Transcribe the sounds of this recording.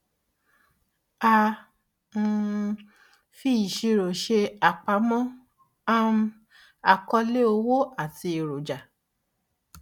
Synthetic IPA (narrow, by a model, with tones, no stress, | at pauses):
a˧ | m̩˦˧ | fi˦i˨ʃi˧ɾo˨ʃe˧a˨k͡pa˧˦mɔ̃˦ | a˦m̩˦ | a˨kɔ˧le˦o˧wo˦a˦˨ti˧i˨ɾo˨d͡ʒa˨